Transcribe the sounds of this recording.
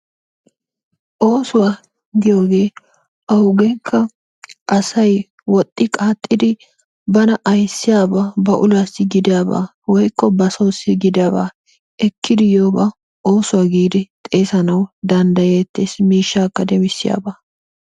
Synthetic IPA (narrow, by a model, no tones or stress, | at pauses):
ʔo̞ːsʊwa | ɡɪjo̞ːɡe̞ː | ʔɐwʊɡɛkʰːɐ | ʔɐsɐj | wɔt̪ʼːɪkʼaːt̪ʼːɪd̪ɪ | bɐnɐʔɐjsːɪjaːbaːbɐʔʊlaːsːɪɡɪd̪ɪjaːba̰ː | wɔjkːɔbɐsoːsɪɡɪd̪ɪjaːba̰ː | ɛkːɪd̪ɪjo̞ːba | ʔo̞ːsʊwaːɡiːd̪ɪt̪ʼeːsɐnɐwd̪ɐnd̪ɐjet̪ːeːsmiːʃːaːkːɐd̪ɛmɪsːɪja̰ːbaː